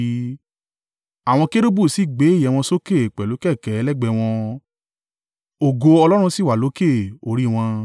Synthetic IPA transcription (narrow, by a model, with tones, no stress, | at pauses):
a˨w̃ɔ̃˧ke˦ɾo˦bu˦˨si˨˦˨ɡ͡be˨˦i˦˨jɛ˨w̃ɔ̃˧so˦ke˦˨k͡pɛ˨lo˨˦kɛ˦˨kɛ˨˦lɛ˦˨ɡ͡bɛ˧˨w̃ɔ̃˧ | o˨ɡo˧ɔ˧lɔ˦ɾ̃ũ˧si˦˨wa˨lo˨˦ke˦˨o˨ɾi˦˨w̃ɔ̃˧